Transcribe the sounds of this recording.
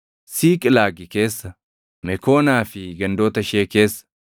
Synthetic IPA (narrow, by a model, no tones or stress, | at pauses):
siːkʼɪlaːɡɪke̞ːsːɐ | mɛko̞ːnaːfɪɡɐnd̪o̞ːt̪ɐʃeːke̞ːsːɐ̥